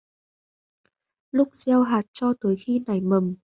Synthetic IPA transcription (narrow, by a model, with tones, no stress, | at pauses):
lʊ˦˥k͡p̚zɛ˧wɦaː˨˩t̚t͡ɕɔ˧t̪əː˨˦jxi˧na˨˩jmə˨˩m